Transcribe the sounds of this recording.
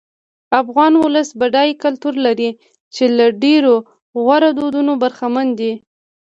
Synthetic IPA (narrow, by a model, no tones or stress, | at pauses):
afɣɑnwʊləsbaɖɑjkalt̪uɾlaɾi | t͡ʃelaɖeɾo | ɣwaɾad̪od̪unobaɾxamand̪i